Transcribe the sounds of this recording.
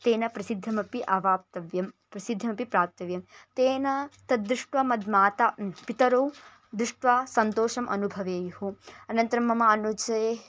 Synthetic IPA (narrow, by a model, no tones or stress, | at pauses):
t̪eːnɐpɾɐsid̪ʱːɐmɐpiʔɐʋaːp̚t̪ɐʋjɐmpɾɐsid̪ʱːɐmɐpipɾaːp̚t̪ɐʋjɐmt̪eːnɐt̪ɐd̪ɾuʂʈʋɐmɐd̪maːt̪apit̪ɐɾow | d̪ɾuʂʈʋaːsɐnt̪oːʃɐmʔɐ̰nubʱɐʋeːjɐhuɐnɐnt̪ɐɾɐmːɐmɐɐnut͡ʃɐe